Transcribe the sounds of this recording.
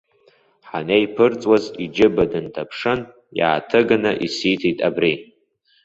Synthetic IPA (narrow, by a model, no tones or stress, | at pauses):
ħanejpʰɨrt͡sʼwazid͡ʒɪbadɨntʰapʰʂɨn | ja̰ːtʰɨɡanaʔisitʰitʼabri